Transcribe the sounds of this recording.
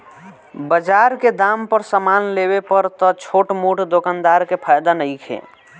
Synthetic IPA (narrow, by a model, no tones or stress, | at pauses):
bəd͡ʒaɾked̪ampəɾsəmanleβepəɾt̪ɔt͡ʃʰoʈmuʈd̪okand̪aɾkepʰajd̪anəjkʰḛ